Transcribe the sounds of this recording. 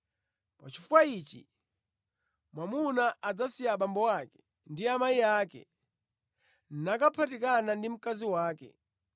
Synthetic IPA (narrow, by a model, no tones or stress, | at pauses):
pa̰t͡ʃifuwait͡ʃḭ | mwamunaʔad͡zasijaɓambɔwakɛ̥ | ndiamaiaːkɛ̰ | nnak̬apʰatikanandim̩kaziwaːkɛ̰